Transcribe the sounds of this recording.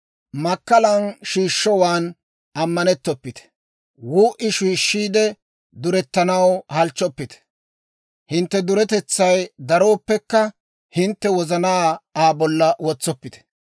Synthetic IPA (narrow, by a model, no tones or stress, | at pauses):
mɐkːɐlɐnʃiːʃːɔwaːn | ʔɐmːɐnɛt̪ːɔpːɪt̪ɛ̥ | wuːʔɪʃiːʃːiːd̪ɛ | d̪ʊɾɛt̪ːɐnɐwhɐlt͡ʃːɔpːɪt̪ɛ̥ | hɪnt̪ːɛd̪ʊɾɛt̪ɛt͡sːɐjd̪ɐɾo̞ːpːɛkːɐ | hɪnt̪ːɛwɔzɐnaːaːbɔlːɐwɔt͡sːɔpːɪt̪ɛ̥